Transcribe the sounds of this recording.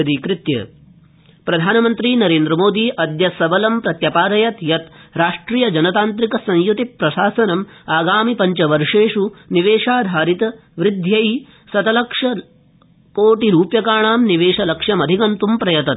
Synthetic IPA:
ɐd̪ikɾɪt̪jɐ̰ | pɾɐd̪ʱaːnɐmɐnt̪ɾiːnɐɾeːnd̪ɾɐmoːd̪iːʔɐd̪jɐsɐbɐlɐmpɾɐt̪jɐpaːɾɐjɐt̪jɐt̪ɾaːʂʈɾiːjɐd͡ʒɐnɐt̪aːnt̪ɾikɐsɐ̃ŋjut̪ipːɾɐʃaːsɐnɐmaːɡaːmipɐɲt͡ʃɐʋɐɾʂeːʂuniʋeːʂaːd̪ʱaːɾit̪ɐ | ʋɾɪd̪ʱjɐj | sɐt̪ɐlɐkʂɐ | koːʈiɾuːpjɐkaːɳaːmniʋeːʂɐlɐkʂjɐmɐd̪ʱikɐnt̪umpɾɐjɐt̪ɐt̪

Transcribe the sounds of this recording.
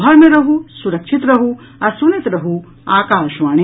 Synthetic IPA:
aːɾmɐɾɐɦusuɾɐkʂʰit̪ɾɐɦu | ɐsunit̪ɾɐɦu | aːkaːʃʋaːɳ̃i

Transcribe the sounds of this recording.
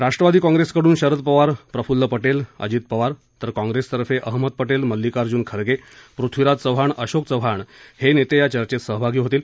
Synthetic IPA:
ɾaʂʈɾəʋad̪iːkɔ̃ŋɡɾeskəɽuːnɕəɾət̪̚pəʋaɾpɾəfulːəpəʈelə̰d͡ʑiːt̪̚pəʋaɾ | t̪əɾkɔ̃ŋɡɾest̪əɾfeʔəɦmət̪̚pəʈelməlːikaɾd͡ʑuːnkʰəɾɡepɾut̪ʰʋiɾat̪̚t͡səʋɦaɳəɕok̚t͡səʋɦaɳhenet̪ejat͡ɕəɾt͡ɕet̪səɦbʱaɡiːɦot̪iːl

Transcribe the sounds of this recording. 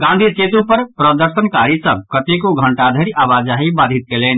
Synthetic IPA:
ɡãnd̪ʱit͡ʃet̪ũpəɾpɾəd̪əɾʃənkaɾisə̃kət̪ekoɡʱə̃ɳʈad̪ʱəɾiabad͡ʒaɦibad̪ʱit̪̚kelen

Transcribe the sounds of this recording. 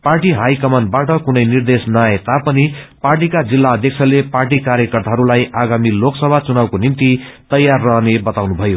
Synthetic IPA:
parʈiɦajkʌmʌnbaʈʌkunʌjnird̪esnʌet̪apʌniparʈikad͡zilːaʌd̪ʱjʌk̚sʰʌleparʈikaɾjʌkʌrt̪aɦʌɾulajʔaɡamiloksʌbʱat͡sunawkonimt̪i | t̪ʌjːarːʌɦnebʌt̪awnubʱʌjo

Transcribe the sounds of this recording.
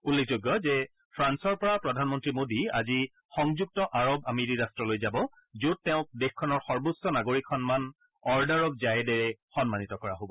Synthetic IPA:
ulːek̚ʰzoɡːɔzɛ | pʰɹansɔɹpɔɹapɹɔdʱanmɔntɹimodia̰zi | xɔŋzuk̚tɔʔaɹobameɹiɹastɹɔlojzabɔ | zutːɛʊ̃k̚dexkʰːɔnɔɹxɔɹbusɔnaɡoɹikʰːɔnman | ɔɹdaɹɔbzajɛdɛɹɛxɔnmanitɔkɔɹaɦobɔ

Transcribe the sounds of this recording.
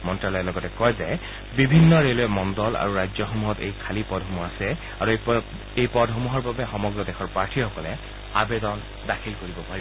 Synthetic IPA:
mɔntɹalɔjɛlɔɡɔtɛkɔjzɛ | bibʱinːɔɹelɔɛmɔndɔla̰ɹuɹajd͡ʒzɔxɔmuɦɔtḛjkʰalipɔdʱɦomuasɛ | aɹu | ejpɔdɦɔmuɦɔɹbabɛxɔmɔɡɹɔdɛxʰɔɹpaɹtʰixɔkɔlɛ | abedɔn | dakʰilkoɹibɔpaɹiɔ

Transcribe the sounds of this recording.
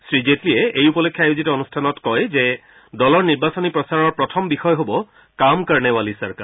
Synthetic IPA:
sɹizetliɛejupɔlokʰjaajuzitɔonustʰanɔtkɔjzɛ | dɔlɔɹniɹbasɔnipɹɔsaɹɔɹpɹɔtʰɔmbixɔjɔɦobɔ | kamkaɹnɛwalisaɹka̰ɹ

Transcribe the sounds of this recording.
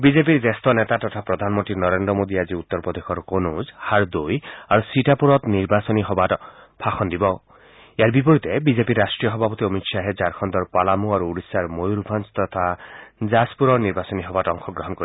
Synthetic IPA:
bizep̬iɾd͡ʒest̪ɔnet̪at̪ɔt̪ʰapɾɔd̪ʱanmɔnt̪ɾinɔɾend̪ɾɔmod̪iad͡ʒiut̪ːɔɾpɔd̪exʰɔɾkonuzhaɾd̪ojaɾusiʈapuɾɔt̪niɾbasɔniɦɔbaʈɔpʰakʰɔnd̪ibɔ | ejaɾbip̬ɔɾit̪ebizepiɾːasʈɾijɔɦɔbʱapɔt̪iɔmit̪saɦed͡ʒaɾkʰɔnd̪ɔɾpalamuaɾuːɾisaɾmojɾubʱanst̪ɔt̪ʰad͡ʒaspuɾɔɾniɾbasɔniɦɔbatɔŋxʰɔɡɾɔɦɔnkɔɾi

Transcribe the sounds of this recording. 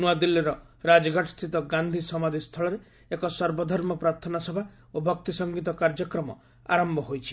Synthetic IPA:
nuad̪ilːiɾɔ | ɾad͡ʒɔɡʱaʈʰst̪ʰit̪ɔɡand̪ʱisɔmad̪ʱist̪ʰɔɭɔɾe | ekɔsɔɾbɔd̪ʱɔɾmɔpɾaɾt̪ʰɔnasɔbʱa | obʱɔk̚t̪isɔŋɡit̪̬ɔkaɾd͡ʒɔkɾɔmɔ̰ | a̰ɾɔmbʱɔɦojt͡ʃʰi̥

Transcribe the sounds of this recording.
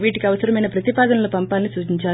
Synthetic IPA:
ʋiːʈikiɐʋɐsɐɾɐmɐjnɐpɾɐt̪ipaːd̪ɐnɐloːpɐmpaːlnisuːt͡ʃiɲt͡ʃaː

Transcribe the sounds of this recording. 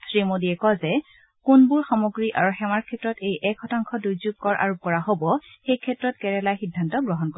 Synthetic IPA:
sɹimodiɛkɔzɛ | kunbʊɹxamoɡɹiʔaɹuxɛmaɹkʰɛtɹɔtejʔɛkʰɔtaŋkʰɔdujzub̚kɔɹʔa̰ɹup̚kɔɹaɦobɔxejkʰɛtːɹɔtkɛɹɛlajxidʱːantɔɡɹɔɦɔnko

